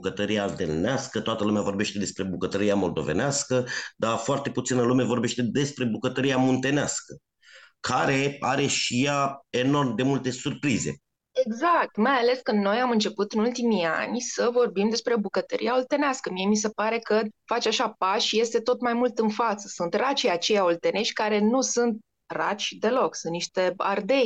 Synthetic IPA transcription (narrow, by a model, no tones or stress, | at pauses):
kət̪əɾialt̪ḛlneaskət̪oat̪əlumeavo̞rbe̞ʃt̪e̞d̪e̞spɾe̞bukət̪əɾiamo̞ld̪o̞̰ve̞̰neaskəd̪afoart̪e̞put̪sinəlumevo̞rbe̞ʃt̪e̞d̪e̞spɾe̞bukət̪əɾiamont̪e̞neaskə | kʰaɾe̞aɾe̞ʃijae̞no̞rmd̪e̞mult̪e̞surpɾize̞̰ | e̞ɡzak̚t̪majale̞skɨnd̪no̞jamɨnt͡ʃe̞put̪ɨnult̪imia̰nʲsəvo̞rbimd̪e̞spɾe̞obukət̪əɾʔḭaolt̪e̞neaskəmie̞mis̬e̞paɾe̞kəfat͡ʃaʃapaʃje̞st̪e̞t̪o̞t̪majmult̪ɨnfat̪sə̥sunt̪rat͡ʃiat͡ʃe̞jaolt̪e̞ne̞ʃʲkaɾe̞nusunt̪̚ | rat͡ʃʲd̪e̞lo̞ksunt̪niʃt̪e̞a̰rd̪e̞j